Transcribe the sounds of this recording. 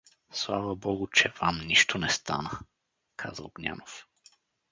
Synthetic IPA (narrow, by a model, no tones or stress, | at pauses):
slˠavəbɔɡʊt͡ʃɛvamniʃt̪onɛst̪a̰nə | kʰa̰zə̰ɡnʲa̰nof